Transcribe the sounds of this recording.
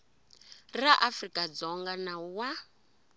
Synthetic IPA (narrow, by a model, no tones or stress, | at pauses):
raʔafrikʼad͡zɔŋɡanawa